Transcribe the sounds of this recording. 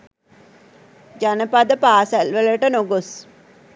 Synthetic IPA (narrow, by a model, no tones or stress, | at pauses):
d͡ʒanəpad̪əpaːsælʋələʈənoɡos